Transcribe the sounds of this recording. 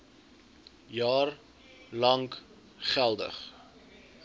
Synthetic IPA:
jɑːr | lɐŋk | χælˠdə̰χ

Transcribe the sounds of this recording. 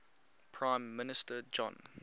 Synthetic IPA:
pʰɹãɪ̃mːɪnɪstəd͡ʒɔ̰̃n

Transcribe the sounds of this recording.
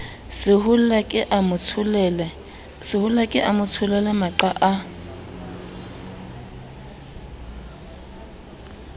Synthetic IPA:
sɪɦuakʼɪʔamʊt͡sʰlɛlɛ | sɪhʊlakʼɪʔamʊt͡sʰʊlɛlɛmaǃaʔa

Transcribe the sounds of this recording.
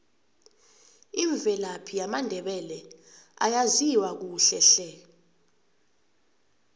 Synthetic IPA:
iɱb̪vʱɛlapʰijamandʱɛɓɛlɛa̰jaziwak̬uːɬɛɬɛ

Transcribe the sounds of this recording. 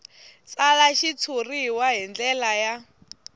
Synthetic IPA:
t͡salaʃit͡sʰuriɦwaɦind͡ɮɛlaja

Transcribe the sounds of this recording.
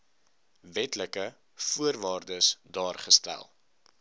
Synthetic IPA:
vɛtləkə | fuərvɑːrdəsdɑːrχəstæ̰lˠ

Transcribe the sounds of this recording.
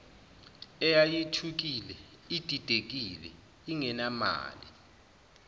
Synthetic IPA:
ɛjajitʰuk̬ilɛ | id̥ʱid̥ʱek̬ilɛ̰ | iŋɛnama̰ːli

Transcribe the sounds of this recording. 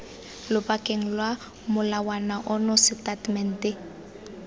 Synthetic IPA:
lʊpakɛŋlwa | mʊlawanaʔɔnɔsitatmɛntɪ

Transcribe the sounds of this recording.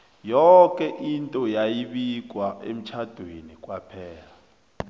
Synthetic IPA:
jɔkʼɛʔintʼɔjajiɓik̬ʼwaʔḛm̩t͡ʃʰad̥ʱwenik̬ʼwapʰɛːla

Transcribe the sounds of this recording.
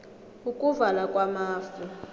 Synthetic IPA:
ukʼuvalakʼwamaːfi

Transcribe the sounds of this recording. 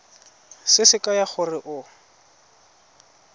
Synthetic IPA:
sɪsɪkajaχʊrɪʔʊ

